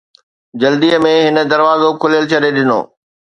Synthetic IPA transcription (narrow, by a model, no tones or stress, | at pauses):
d͡ʑɐld̪iəmẽɦɪnə̆d̪ɐɾʋaːzokʰʊljəlt͡ɕʰɐɾeɗɪno̰ː